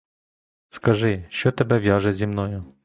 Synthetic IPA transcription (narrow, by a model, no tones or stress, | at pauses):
skɐʒɪʃt͡ʃɔt̪ebɛʋʲjɑʒɛzʲimnɔjʊ